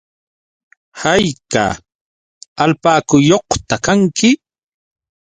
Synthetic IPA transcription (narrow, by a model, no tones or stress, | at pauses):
hajka̰ | alpaːkʊjoχt̪akaŋkɪ